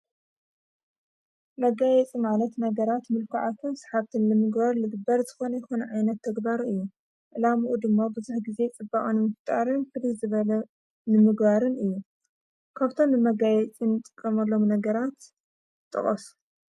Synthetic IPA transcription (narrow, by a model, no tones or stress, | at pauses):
mɐɡajɛt͡sʼimalɐt̪nɐɡɐɾat̪mɨlkʰuʕat̪ʰunsḁħaβt̪ʰɨnlɨmɨɡbaɾlɨɡɨbɐɾzɨxo̞nɐjɛxo̞nɐʕajnɐt̪ʰːɐɡbaɾɨjːu | ʔɨlamuʔud̪ɨmːabɨzuħɡize̞t͡sʼɨbːaχʼunɨmɨft̪ʼaɾɨnfɨlizɨβɐlɐ | nɨmɨɡbaɾɨnɨjːu | kʰaβt̪ʰo̞mnɨmɐɡajɛt͡sʼinɨt̪ʼɨkʼːɐmɐlːo̞mnɐɡɐɾat̪ | t̪ʼːɨ̰χʼɐsu̥